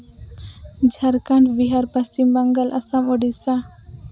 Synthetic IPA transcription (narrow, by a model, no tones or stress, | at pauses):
d͡ʒʱaɾkaɳʈbiɦaɾpasimbaŋɡalʔasamɔɖisa